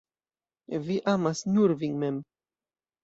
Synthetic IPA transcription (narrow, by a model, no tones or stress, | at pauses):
viʔamasnuɾviŋmɛm